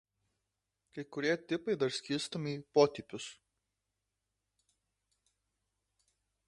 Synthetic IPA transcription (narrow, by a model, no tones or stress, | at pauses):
kɐɪkʊɾʲiɛt̪ʲɪpɐɪd̪ɐɾsʲkʲɪɾst̪omʲiːpoːt̪ʲɪpʲʊs